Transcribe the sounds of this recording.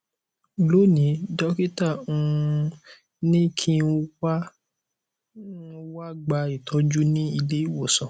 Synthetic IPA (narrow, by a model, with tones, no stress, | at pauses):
lo˨˦nĩ˨˦dɔ˦ki˦ta˦˨ũ˧ | nĩ˦kʰĩ˦wa˦ | wa˦ɡ͡ba˧i˨tʰɔ˨˦d͡ʒu˦nĩ˦i˧le˦i˦˨wo˦˨sɔ̃˨